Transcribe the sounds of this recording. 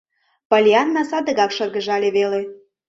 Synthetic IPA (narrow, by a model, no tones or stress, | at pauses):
pɑlʲiɑnːɑsɑd̪əɣɑkʃɤrɣə̆ʒɑlʲeβele